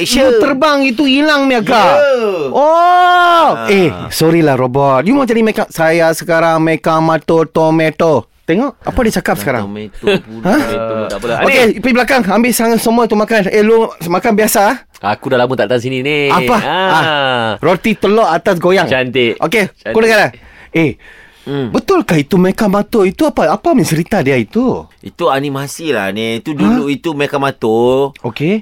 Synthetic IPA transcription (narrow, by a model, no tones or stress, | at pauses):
t̪ərbaŋit̪̬uilaŋmiaka | ʔɔ | esɔɾilahɾobɔt̪̚jumad͡ʒadimekasajasəkaɾaŋmekaŋmat̪ot̪omet̪o | t̪eŋɔʔa̰padit͡ʃakap̚səkaɾa̰ŋ | hã | okepiblakaŋambɪʔsaŋat̪̚səmuait̪umakanelumakanbiasa | akudalamut̪aʔt̪ansininiapaarot̪it̪əlɔʔat̪as̬ɡojaŋant̪eʔokekudakalae | bət̪ʊlkait̪umekamat̪oit̪uapaapaməɲt͡ʃəɾit̪adiait̪uit̪uanimasila̰net̪ududuʔit̪umekamat̪ooke